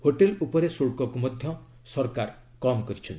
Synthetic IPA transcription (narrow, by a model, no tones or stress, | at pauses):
hoʈelupɔɾesoɭkɔkumɔd̪ʱjɔ | sɔɾkaɾ | kɔmkɔɾit͡ʃʰɔnt̪